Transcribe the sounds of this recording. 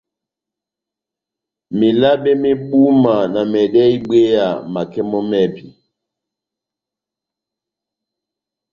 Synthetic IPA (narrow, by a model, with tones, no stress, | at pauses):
me˨la˦ɓe˦me˦ɓu˦ma˨na˨mɛ˨ɗɛ˦i˦ɓe˦ja˨ma˨kɛ˦mɔ˦mɛ˦pi˨